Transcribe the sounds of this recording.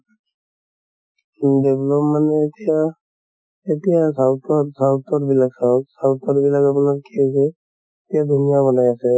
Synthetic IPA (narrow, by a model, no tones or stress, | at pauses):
dɛblɔpmanɛːt̪ija | etijasawtɔsawtɔɹbilaɡsatsawt̪ɔɹbilaɡapunakkiasɛ | etijad̪ʱunijaβɔnajasɛ